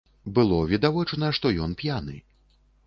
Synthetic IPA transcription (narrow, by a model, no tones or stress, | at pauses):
bɨlˠɔvʲid̪avɔt͡ʂnɐʂt̪ɔjɔnpʲjanɨ